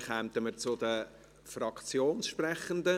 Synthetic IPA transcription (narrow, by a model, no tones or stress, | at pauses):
χɛmt̪əmət͡sʊd̪ə | frɑkt͡sjoːnsʃprɛχənd̪ə